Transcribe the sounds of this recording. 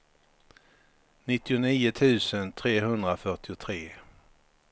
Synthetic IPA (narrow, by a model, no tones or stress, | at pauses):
nɪt̪ːɪʊniːʊt̪ʰʉ̟ːsənt̪ʰɾeːɦɵnd̪ɾafœʈɪʊt̪ʰɾeː